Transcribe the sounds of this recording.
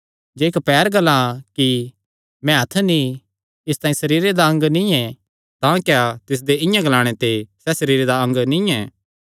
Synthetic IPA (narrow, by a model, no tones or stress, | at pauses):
d͡ʒeːkpɛːɾɡɐlːãki | mɛ̃ɦɐt̪ʰːnĩ | ɪst̪ãːĩsɐɾiːɾed̪aɐ̃ŋɡnĩɛ̃ | t̪ãːkjat̪ɪs̬d̪eɪ̃jãɡɐlaːɽ̃et̪esɛsɐɾiːɾed̪aɐ̃ŋɡnĩɛː